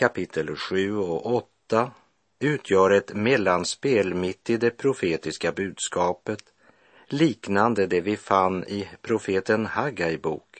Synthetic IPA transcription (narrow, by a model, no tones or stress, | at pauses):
kʰapɪt̪ʰːəlɧʉ̟ːɔɔt̪ːa | ʉ̟ːt̪ʰjœːɾɛt̪mɛlːanspeːlmɪt̪ːɪd̪ɛpʰɾʊfeːt̪ɪskabʉ̟ːd̪skɑːpət̪ | liːknand̪əd̪ɛvɪfanːɪpʰɾʊfeːt̪ənhaɡajbṵːk